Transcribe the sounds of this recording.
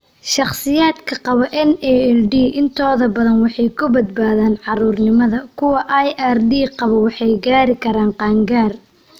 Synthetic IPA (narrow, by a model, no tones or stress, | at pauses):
ʃɑχsɪjaːd̪kʰɐqɑβɐʔɛnɛɛlɖiːʔɪnt̪ʰɔːðɐbɐðɐnwɑħɑjkʰʊbɐd̪̚baːðaːnʕɑɾuːrnɪmɐðɐkʰʊwɐʔajʔɛrdiːqɑβɔwɑħɑjɡaːɾɪkʰɐɾaːnqɑːŋɡaːr